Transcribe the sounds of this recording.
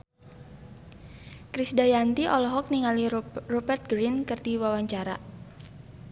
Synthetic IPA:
kɾisdajant̪iʔɔlɔɦɔk̚niŋalirɔbɛrt̪̚ɡɾinkərdiwawaɲt͡ʃaɾa

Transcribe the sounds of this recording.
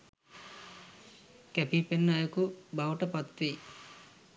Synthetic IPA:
kæpipenːajɐkubawʈəpat̪ʋi

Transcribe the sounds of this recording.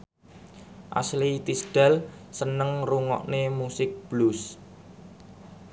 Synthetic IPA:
ʔa̰slit̪isɖ̥a̤lsənəŋruŋɔ̰ʔnemusɪk̚b̥lus

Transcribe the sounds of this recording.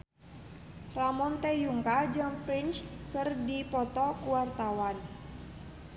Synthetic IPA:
ramɔnt̪ɛjuŋkad͡ʒampɾint͡ʃkɨrdipɔt̪ɔkuwart̪awan

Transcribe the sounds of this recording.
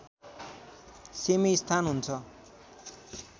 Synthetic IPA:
semist̪ʰanɦunt͡sʰʌ

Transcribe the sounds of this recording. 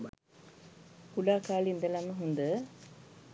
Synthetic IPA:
kulaːkaːlind̪əlaməɦund̪ə

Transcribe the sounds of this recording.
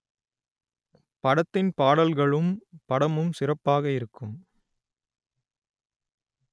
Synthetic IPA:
pɐɽɐt̪ːɪnpaːɽɐlɣɐɭɯmpɐɽɐmɯmsɪrɐpːaːɣɐɪɾɯkːɯm

